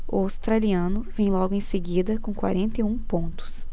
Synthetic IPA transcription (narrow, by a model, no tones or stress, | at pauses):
ʊ̰awst̪ɾaliɐ̃nʊvẽj̃lɔɡʊẽj̃seɡid̪ɐkõkwa̰ɾẽnt̪eũpõnt̪ʊ̥s